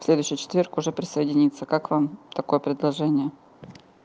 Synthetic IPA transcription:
fsʲlʲed̪ʊɥɕːɪjt͡ɕɪ̥t̪vʲerkʊʐɛpɾʲɪsəjɪdʲɪnʲit̪sːəkakvamt̪ɐko̞jəpɾʲɪd̪lˠɐʐɛnʲɪjə

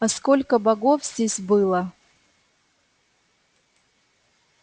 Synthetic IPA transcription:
ɐskolʲkəbɐɡofz̥ʲdʲesʲbɨlˠə

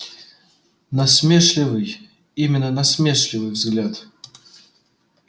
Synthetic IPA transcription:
nɐsmʲeʂlʲɪvɨj | imʲɪnːənɐsmʲeʂlʲɪvɨjvzɡlʲat̪

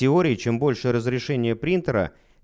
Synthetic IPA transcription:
ɪo̞ɾʲɪːt͡ɕembo̞lʲʂɨjəɾəzɾʲɪʂɛnʲɪjəpɾʲint̪əɾə̰

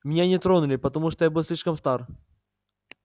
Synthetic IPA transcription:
mʲɪnʲanʲɪt̪ɾonʊlʲɪpət̪ɐmuʂt̪ɔjabɨlˠsʲlʲiʂkəmst̪ar

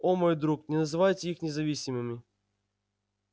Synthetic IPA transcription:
omojd̪ɾuknʲɪnəzɨvajtʲɪixnʲɪzɐvʲisʲɪmɨmʲɪ

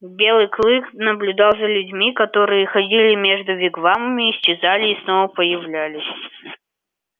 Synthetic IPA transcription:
bʲelˠɨjklˠɨknəblʲʊd̪ɑlˠzʲəlʲʉdʲmʲikɐt̪oɾɨjəxɐdʲilʲɪmʲeʐd̪ʊvʲɪɡvamɨmʲɪːsʲt͡ɕɪzalʲɪːsnovəpəjɪvlʲælʲɪsʲ

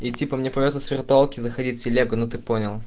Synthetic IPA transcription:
itʲipəmnʲepɾʲɪvʲot̪ːəsvʲɪrt̪ʊalˠkʲɪizəxɐdʲitʲsʲɪlʲeɡənot̪ɨponʲɪlˠ

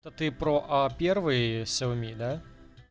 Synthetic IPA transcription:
t̪ɐt̪ɨpɾoʔɐpʲervɨjsʲɛlˠmʲid̪a

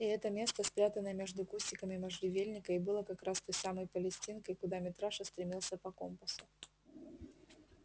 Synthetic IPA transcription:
ɪɛt̪əmʲe̞st̪əspɾʲat̪ənːəjəmʲe̞ʐd̪ʊkusʲtʲɪkəmʲɪməʐɾʲɪvʲelʲnʲɪkəɪbɨlˠəkɐkɾast̪o̞jsaməjpəlʲɪsʲtʲinkəjkʊd̪amʲɪt̪ɾaʂəst̪ɾʲɪmʲilˠsʲəpɐko̞mpəsʊ̥

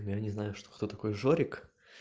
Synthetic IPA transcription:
mjanʲɪznajʊʂt̪o̥xt̪ot̪ɐko̞jʐoɾʲɪk

